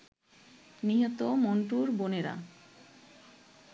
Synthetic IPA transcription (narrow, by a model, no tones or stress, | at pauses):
niɦɔt̪omoɳʈuɾboneɾa̰